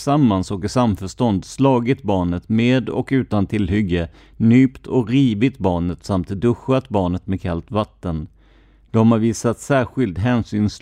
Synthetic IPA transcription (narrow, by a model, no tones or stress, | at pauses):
samːansɔkɪsamfœʂt̪ɔnd̪slɑːɡɪt̪bɑːɳət̪meːd̪ɔ̰kʉ̟ːt̪ant̪ʰɪlɦʏɡːə | nyːpt̪ʰɔkɾiːvɪt̪bɑːɳət̪samt̪d̪ɵɧat̪bɑːɳət̪mɛd̪kʰalt̪vat̪ːən | d̪̥ɔmhaɾviːsat̪sæːɾɧɪlt̪ɦɛːnsyːns